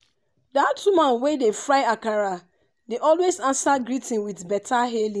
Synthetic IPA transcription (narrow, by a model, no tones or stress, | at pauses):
datʰːumãnwedefɹaɪakaɹa | deʔɔlwezãnsaɡɹitĩnwiθbɛtaɦelĩ